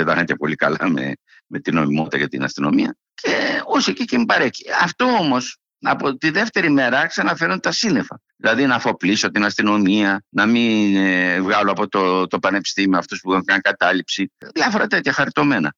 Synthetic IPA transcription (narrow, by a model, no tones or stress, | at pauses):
et̪ɐxɐnt̪epo̞likɐlɐmḛ | me̞t̪ino̞̰mimo̞t̪t̪ɐ̰cɐt̪ḭnɐ̰st̪ino̞̰miɐ̰ | cʰeosecicemibɐɾe̞çi̥ɐft̪oomo̞s | ɐpot̪iðe̞ft̪e̞ɾime̞ɾɐksɐnɐfe̞ɾunt̪ɐsine̞fɐðilɐðinɐfo̞plisot̪inɐst̪ino̞miɐnɐminevɣɐloɐpo̞t̪ot̪o̞pɐne̞pi̥st̪imioɐft̪ospuðekɐnkɐt̪ɐlipsiðjɐfo̞ɾɐt̪e̞t̪çɐxɐɾit̪o̞me̞nɐ